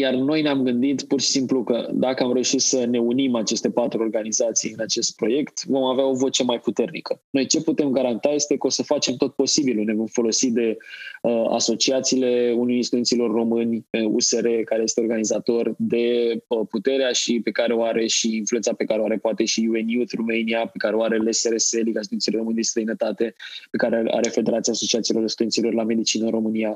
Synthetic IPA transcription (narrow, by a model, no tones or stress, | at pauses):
jarno̞jneamɡɨnd̪it̪purʃi̥simplukəd̪akəamɾe̞uʃit̪səne̞unimat͡ʃe̞st̪e̞pat̪ɾuo̞rɡanizat̪sijɨnat͡ʃe̞st̪̚pɾo̞je̞kt̪vo̞maveao̞vo̞t͡ʃe̞majput̪e̞rnikəno̞jt͡ʃe̞put̪e̞mɡaɾant̪ajest̪e̞kəo̞səfat͡ʃe̞mt̪o̞t̪̚po̞sibilune̞vo̞mfo̞lo̞sid̪e̞əa̰so̞t͡ʃiat̪siːle̞unujinst̪ud̪ensilo̞rːo̞mɨnʲṵseɾekaɾeje̞st̪eorɡanizat̪o̞rd̪e̞əput̪e̞ɾeaʃipe̞kaɾeoaɾe̞ʃiinfluensape̞kaɾeoaɾe̞poat̪e̞ʃijuenjut̪rumejniape̞kaɾeoaɾe̞leseɾeselikas̬t̪uensileɾo̞mɨnd̪est̪ɾəjnət̪at̪e̞pe̞kaɾea̰ɾe̞fe̞d̪e̞ɾat̪siaːso̞t͡ʃiat̪silo̞ɾinst̪ujensilo̞rlame̞d̪it͡ʃinəɨnɾo̞mɨnia